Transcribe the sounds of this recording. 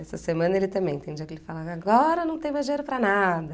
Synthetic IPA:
ɛsɐsemɐ̃nɐelɪt̪ɐ̃mbẽj̃t̪ẽj̃d͡ʒiɐkelɪfalaaɡɔɾɐnɐ̃w̃t̪ẽj̃mɐʒejɾʊpɾɐnad̪ɐ

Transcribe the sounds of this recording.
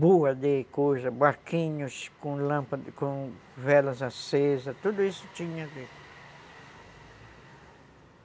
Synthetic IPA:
buad̪ekoʒabaɾkĩɲʊskõlãmpad̪kõvɛlazasezat̪ud̪ʊisʊ̥t͡ʃĩɲãd̪e

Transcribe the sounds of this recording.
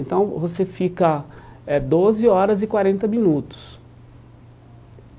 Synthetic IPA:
nt̪ɐ̃w̃vosefikɐɛd̪ozɪɔɾɐzɪkwaɾẽnt̪ɐmĩnut̪ʊ̥s

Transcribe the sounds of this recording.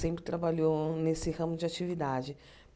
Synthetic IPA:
sẽpɾɪt̪ɾabaʎonesɪhɐ̃mʊd͡ʒɪat͡ʃivid̪ad͡ʒɪ

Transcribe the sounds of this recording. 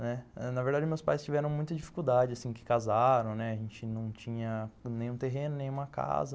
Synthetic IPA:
nɛɛnɐveɾd̪ad͡ʒɪmewspajst͡ʃivɛɾɐ̃w̃mũj̃t̪ɐd͡ʒifi̥kuwd̪ad͡ʒɪasĩkɪ̥kazaɾɐ̃w̃nɛaʒẽnt͡ʃɪnɐ̃w̃t͡ʃĩɲɐnẽj̃ũt̪eɦẽnʊnẽj̃ũmɐka̰zɐ

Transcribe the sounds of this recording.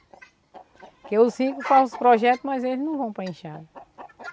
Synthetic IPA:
keʊsĩkʊfazʊspɾɔʒɛt̪ʊmɐzelɪznɐ̃w̃vɐ̃w̃pɾɐẽʃad̪

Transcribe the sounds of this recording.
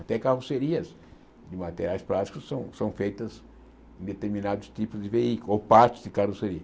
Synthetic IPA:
at̪ɛkaruseɾiɐs | d̪ɪmat̪eɾjajspɾat̪i̥kʊssɐ̃w̃sɐ̃w̃fejt̪ɐz | ẽd̪et̪eɾmĩnad̪ʊst̪ipʊzd̪ɪveikulopast̪ʊ̥zd̪ɪkaruseɾiɐ

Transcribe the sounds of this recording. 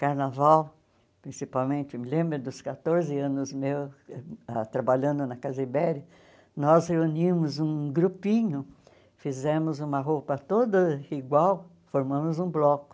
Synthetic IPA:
kaɾnavaw | pɾĩsipawmẽnt͡ʃ̪ɪmɪlẽmbɾʊd̪ʊskat̪oɾzɪɐ̃nʊzmew | at̪ɾabaʎɐ̃nd̪ʊnɐkazibɛɾjɐ | nɔzheunĩmʊzũɡɾupĩɲʊ | fizẽmʊzũmɐɦopɐt̪od̪ɐiɡwaw | foɾmɐ̃mʊzũblɔkʊ̥

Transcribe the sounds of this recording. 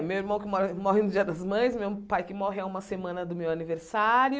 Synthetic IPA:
mewiɾmɐ̃w̃kɪmɔɾmɔɦɪnʊd͡ʒiɐd̪ɐzmɐ̃j̃smewpajkɪmɔɦɪaũmɐsemɐ̃nɐd̪ʊmewɐniveɾsaɾjʊ

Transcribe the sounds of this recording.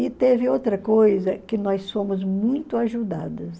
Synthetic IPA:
ɪt̪evɪowt̪ɾɐkojzɐkɪnɔssõmʊzmũj̃t̪ʊaʒud̪ad̪ɐs

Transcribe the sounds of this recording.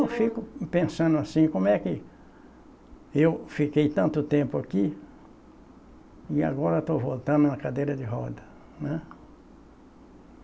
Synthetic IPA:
wfikʊpẽsɐ̃nd̪ʊasĩkõmʊɛkɪ | ewfikejt̪ɐ̃nt̪ʊt̪ẽmpʊaki | ɪa̰ɡɔɾet̪ovolt̪ɐ̃nd̪ʊnɐkad̪ejɾɐd͡ʒ̪ɪɦɔd̪ɐ | nɛ̃

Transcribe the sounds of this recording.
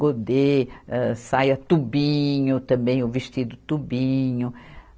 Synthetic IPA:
od̪eɛsajɐt̪ubĩɲʊt̪ɐ̃mbẽj̃ovest͡ʃid̪ʊt̪ubĩɲʊ

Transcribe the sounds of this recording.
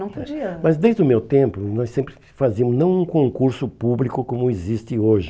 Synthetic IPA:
nɐ̃w̃famɐzd̪ejzd̪ʊmewt̪ẽmpʊnɔsẽmpɾɪ | fazimʊznɐ̃w̃ũkõŋkuɾsʊpublikʊkõmʊɪzist̪ɪoʒɪ

